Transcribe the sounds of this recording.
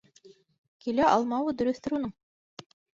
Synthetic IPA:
kilæʔɑlˠmɑwɤd̪ɵ̆ɾɵ̆θt̪ɘ̆ɾunɤɴ

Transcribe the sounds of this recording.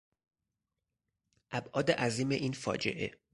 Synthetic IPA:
ʔæbʔɒːd̪eʔæziːmeʔiːnfɒ̰ːd͡ʒe̞̰ʔḛ

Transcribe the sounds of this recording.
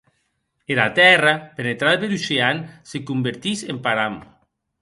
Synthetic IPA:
eɾat̪ɛrapenet̪ɾaðapeɾuseansekumbeɾt̪isempaɾam

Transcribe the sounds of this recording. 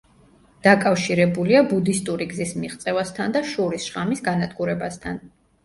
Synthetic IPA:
d̪̥akʼafʃiɾɛbuliabud̪ist̪ʼuɾiɡzismiʁt̪sʼɛvast̪ʰand̪aʃuɾisʃʁamisɡanad̪ɡuɾɛbast̪ʰan

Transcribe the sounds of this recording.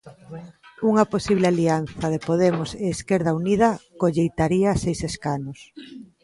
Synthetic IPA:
uŋɐposiβlɪalian̟θɐðepoðemʊseːskeɾð̞auniðɐkoʎejt̪aɾiasejseskanʊs

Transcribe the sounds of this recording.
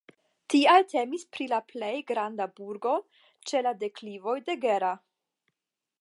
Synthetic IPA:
tialte̞mispɾilaplejɡɾandabuɾɡo̞ | t͡ʃe̞lade̞klivojde̞ɡe̞ɾa

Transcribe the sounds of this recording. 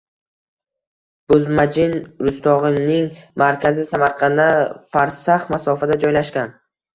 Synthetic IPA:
b̥ʊzmad͡ʒɪnɾʊst̪ʰɒʁɨnnːɪŋmaɾkʲʰazɪsamaɾqʰɑnafaɾsaχmasɒfad̪ad͡ʒɒjlaʃkʲan

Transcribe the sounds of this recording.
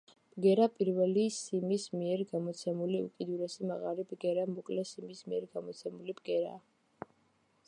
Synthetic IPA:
b̥ɡɛɾapʼiɾvɛlisimismiɛɾɡamɔt̪sʰɛmuliṵkʼid̪uɾɛsimaʁaɾibɡɛɾamɔkʼlɛsimismiɛɾɡamɔt̪sʰɛmulibɡɛɾa̰ː

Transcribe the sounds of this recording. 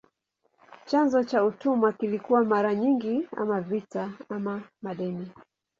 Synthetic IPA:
t͡ʃanzɔt͡ʃautumakilikuwamaɾaɲiŋɡia̰mavitaamamaɗɛni

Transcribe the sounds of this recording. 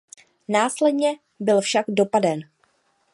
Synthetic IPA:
naːslɛdɲɛ | bɪlfʃaɡdo̞padɛn

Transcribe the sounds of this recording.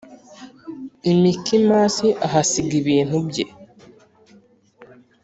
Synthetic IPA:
imikimaːsiʔaɦasiɡiβiːn̥hubɟḛ

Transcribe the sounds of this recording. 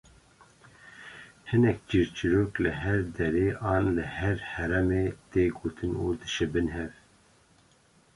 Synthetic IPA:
hɨnɛk̚d͡ʒiɾt͡ʃiɾoːklɨɦɛɾd̪ɛɾeːʔɑːnlɨhɛɾhɛɾɛmeːt̪eːɡoːt̪ʰɨnuːd̪ɨʃɨbɨnɦɛv

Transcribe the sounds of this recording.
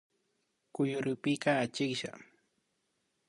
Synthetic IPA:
kʊjʊɾʊpɪkaːt͡ʃɪkʃa̰

